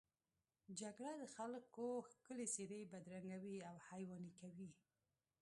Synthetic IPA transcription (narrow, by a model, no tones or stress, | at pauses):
d͡ʒaɡɽad̪əxalkoxkəleseɾebad̪ɾaŋɡawiawhajwɑnikawi